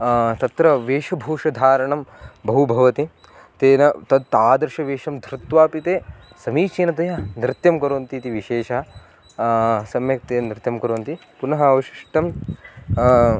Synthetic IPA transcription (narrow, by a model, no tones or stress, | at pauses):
t̪ɐt̪ɾɐʋeːʃɐbʱoːʂɐd̪ʱaːɾɐɳɐmbɐɦubʱɐʋɐt̪i | t̪eːnɐt̪ɐd̪t̪aːd̪ɐɾʃɐʋeːʃɐmd̪ʱɾɪt̪ʋaːpit̪eː | sɐmiːt͡ʃeːnɐt̪ɐjɐnɾɪt̪jɐmkɐɾoːnt̪it̪iʋiʃeːʃɐɦɐ̆ | sɐmjɐk̚t̪eːnɾɪt̪jɐmkɐɾoːnt̪ipunɐɦɐɐʋɐʃi̥ʂʈɐm